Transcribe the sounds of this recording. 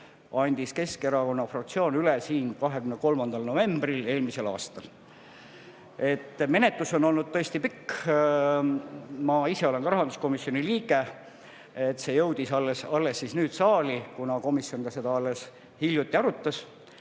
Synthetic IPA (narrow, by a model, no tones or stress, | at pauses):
ɑnʲd̪̥iske̞skeɾɑko̞nːɑfrɑk̚t̪sio̞ːnylesiːnkɑɦe̞kymnko̞lmɑnd̪̥ɑlno̞ve̞mbrile̞ːlmise̞lɑ̰ːst̪ɑl | e̞t̪ːˑme̞net̪luso̞no̞lnud̪̥̚t̪ɤ̞est̪ipikː | mɑise̞o̞le̞nkɑɾɑɦɑnd̪̥usko̞misjo̞niliːɡ̥e̞ | et̪ːse̞jɤwd̪̥isɑlːesɑlːe̞sːisnyːd̪̥sɑːlikunɑko̞misjo̞nɡ̥̪ɑse̞d̪ɑɑlːes | hiljut̪ːˑiɑɾut̪ːˑɑs